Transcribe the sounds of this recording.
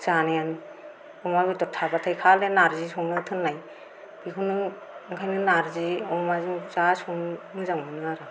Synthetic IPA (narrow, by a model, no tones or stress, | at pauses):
zanajan | umabitɔtʰabatʰajkʰalenaɾzisɔŋnɯtʰɯnːaj | b̥ikʰunɯ | ŋkʰajnɯnaɾziɔmazɯŋzasɔŋnɯzaŋnɯnɯaɾa